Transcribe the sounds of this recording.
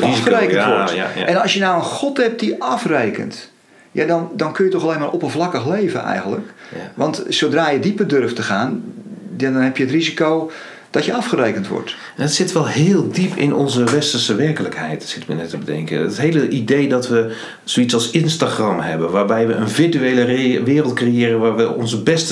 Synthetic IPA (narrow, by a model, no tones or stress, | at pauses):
xərejkəntʋɔɛnɑlsjənawənxɔtɛp̚diʔɑfrejkə̰nt | jadɔndɔnkønjətɔxaleːnmaːrʔɔpənvlakəxleːvə̰nɛ̰jɣə̃ntləkʋɑntsowdraːjədipərdørftəxaːnjadɔnɦɛpjəətrizikoː | d̥ɔtjəɑfχərejkəntʋɔ̰rt | ɛnətsɪtʋɛlˠɦɪːlˠdipʰɪ̰nɔnzəʋɛstərsəʋɛrkələkhɛ̰jtsɪ̥tmə̰nɛtəbədɛ̰ŋkə̰ə̰tɦejləʔidejdɑtʋə | soitsɑlˠsɪnstaχrɑmhɛbənʋaːɹbɛjʋəənvɪɹtyejləʋɪːrəlˠt̚krejɪːɾənʋaːɹʋəɔ̰nzəbɛst